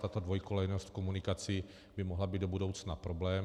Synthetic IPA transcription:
t̪at̪odvo̞jkolɛjnost̪fkomunɪkat͡sɪ | bɪmoɦlabiːd̪o̞budo̞wt͡snapɾo̞blɛːm

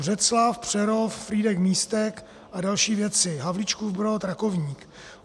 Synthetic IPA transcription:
rɛt̪slafpr̝̥ɛɾoffɾiːdɛkmiːst̪ɛk | ʔadalʃiːvjɛt͡sɪɦavlɪt͡ʃkuvbɾot̪ɾakovɲiːk

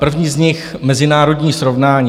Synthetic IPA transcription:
pr̩vɲiːzɲɪxmɛzɪnaːɾo̞dɲiːsɾovnaːɲː

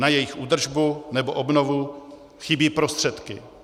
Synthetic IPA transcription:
najɛjɪxʔuːd̪r̩ʒbunɛboʔobnovu | xɪbiːpɾost̪r̥ɛt̪kɪ

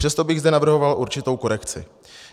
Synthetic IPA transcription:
r̥ɛst̪o̞bɪɣzd̪ɛnavr̩ɦo̞valʔuɾt͡ʃɪt̪o̞wko̞ɾɛkt͡sɪ̰

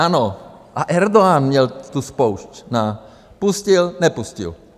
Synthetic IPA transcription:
ano | ʔaʔɛɾd̪oanmɲɛlt̪uspowʃcna | puscilnɛpuscḭl

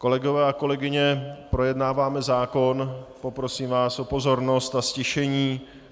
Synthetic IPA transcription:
ko̞lɛɡovɛːako̞lɛɡɪɲɛpɾo̞jɛdnaːvaːmɛzaːko̞npo̞pɾo̞siːmvaːsʔo̞po̞zo̞ɾno̞st̪ascɛʃɛɲiː

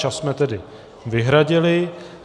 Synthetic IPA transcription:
asmɛt̪ɛdɪ | vɪɦɾaɟɪlɪ

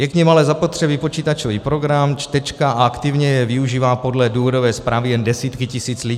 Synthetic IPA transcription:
jɛkɲɛmalɛzapo̞t̪r̥ɛbipo̞t͡ʃiːt̪at͡ʃo̞viːpɾo̞ɡɾamt͡ʃt̪ɛt͡ʃkaʔaakt̪ɪvɲɛjɛvɪuʒiːvaːpo̞dlɛduːvo̞dovɛːspɾaːvɪjɛndɛsiːt̪kɪcɪsiːt͡sli

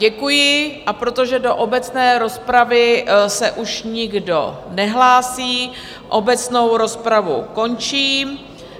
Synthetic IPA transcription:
ɟɛkujɪʔapɾo̞t̪o̞ʒɛdo̞ʔobɛt͡snɛːɾo̞spɾavɪsɛʔuʃɲɪɡdo̞̰nɛɦlaːsiː | ʔobɛt͡sno̞wɾo̞spɾavṵko̞nt͡ʃiː

